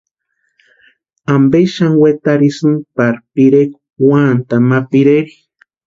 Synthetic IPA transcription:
ambeʃaŋwet̪aɾisɨnpaɾpiɾeku̥want̪amapiɾeɾi̥

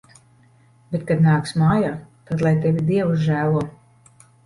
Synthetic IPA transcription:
bet̪̚kad̪naːksmaːjaːt̪ad̪lˠajt̪ɛvʲid̪iɛwuzʒæːlˠuɔ

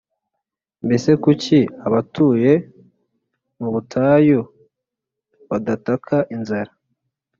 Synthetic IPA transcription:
mbe̞se̞kuciaβatuːje̞ | muβutʰaːjo | βadatakʰaʔinzaɾa

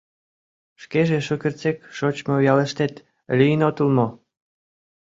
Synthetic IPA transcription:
ʃkeʒeʃokert͡sekʃot͡ɕmojɑleʃt̪et̪ | lʲijənot̪əlmo

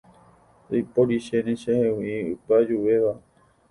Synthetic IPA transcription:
ojpoɾiʃeneʃehẽwiɨpad͡ʒuʋeʋa

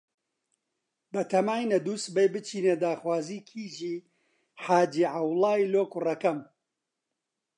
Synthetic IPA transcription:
bɐt̪ʰɐmaːjnɐd̪uːsbejbɨt͡ʃʰiːneːd̪aːxwaːziːkʰiːʒiː | ħaːd͡ʒiːʕawlaːjloːkurɐkɐm

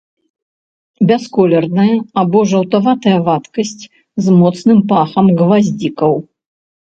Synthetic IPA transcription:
bʲɛskɔlʲɛrnɐjɐabɔʐɐwt̪avat̪ɐjɐvat̪kɐsʲt͡sʲ | zmɔt̪snɨmpaxɐmɣvazʲd͡zʲikɐw

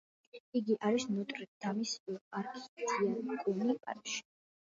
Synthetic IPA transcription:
iɡiʔaɾisnut̪ʼɾid̪̥ʰamisaɾkʰi̥sd̪ʰiakʼunipʼa̰ɾʃi̥

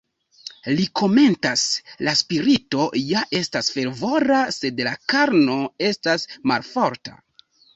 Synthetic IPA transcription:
likʰo̞me̞ntaslaspiɾito̞jaʔe̞stasfe̞ɾvo̞ɾase̞dlakaɾno̞e̞stasma̰lfo̞ɾta̰

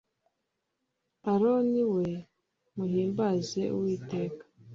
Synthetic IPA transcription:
aɾoniwe̞ | muɦiːmbaze̞ṵwiːte̞ːkḁ

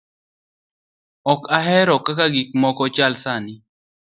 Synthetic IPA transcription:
ɔkaɦɛɾɔkakaɡik̚mɔkɔt͡ʃalsanɪ

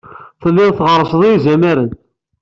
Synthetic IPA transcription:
θəlːɪʁθʁəɾˤəsəðˤizæmæɾən

